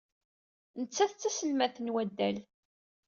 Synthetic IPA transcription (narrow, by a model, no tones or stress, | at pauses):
nət͡sːæθt͡sːæsəlmæθənwæd̪ːæl